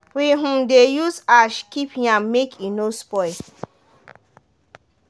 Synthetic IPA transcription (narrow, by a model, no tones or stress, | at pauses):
wiɦũdejusaʃkipjãmmekʰinospɔɪ